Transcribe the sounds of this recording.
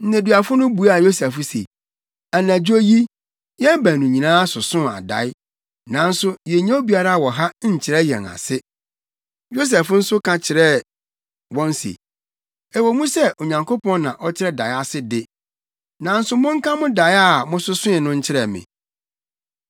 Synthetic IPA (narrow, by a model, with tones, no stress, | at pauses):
n̩˦næ̃˨du˨a˨fʊ˦nʊ̃˦bu˨˦a˨jo˦sɛ˨fʊ˦sḛ˨ | a˨næ̃˨d͡ʑᶣo˦ji˦ | jɛ˦bæ̃˨nũ˨ɲĩ˨nãː˦a˦sʊ˨sʊ̃˦˨a̰˨da̰˨˦ɪ˦ | nã˨n̩˦sʊ˦jɛ˨ɲã˦o˦bi˨˦a˦ɾa˦˨wɔ˨ɦa˦ɲ̩˨t͡ɕʰɪ˨ɾɛ˦jɛ̰̃˨ŋa̰˨sɪ˦ | jo˦s̬ɛ˨fn̩˦sʊ˦kʰã˨t͡ɕʰɪ˨ɾɛ˦ | wɔ̃˦n̩˦sḛ˨ | ɛ˨wɔ˨mũ˦sɛ˦ʔo˨ɲã˨ŋkʰo˦pɔ̃˦n˦nã˨ʔɔ˦t͡ɕʰɪ˦ɾɛ˦da˨ɪ˦a˨sɪ˦dɪ˦ | nã˨n̩˦sʊ˦mʊ̃˦ŋ̩˦kʰã˦mʊ̃˦da˨ja˦˨mʊ̃˦sʊ˦sʊ̃˦ɪ˨nʊ̃˦ɲ̩˦t͡ɕʰɪ˦ɾɛ˨mɪ̰̃˨